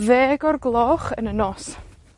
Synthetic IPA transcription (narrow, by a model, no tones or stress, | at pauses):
veːɡɔrɡlˠɔχə̰nənɔs